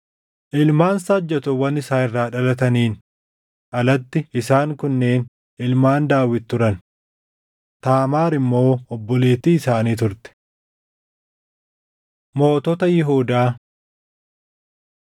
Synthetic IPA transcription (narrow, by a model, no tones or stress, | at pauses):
ʔɪlmaːnsad͡ʒːɐt̪ʊwɐnɪsaːɪrːaːᶑɐlɐt̪ɐniːn | ʔɐlɐt̪ːɪɪsaːŋkʊnːeːn | ɪlmaːnd̪aːwɪt̪ːʊɾɐn | t̪aːmaːɾɪmːo̞ːɔbːɔle̞ːt̪iːɪsaːniːt̪ʊɾt̪ɛ̥ | mo̞ːt̪ɔt̪ɐjɪɦuːd̪aː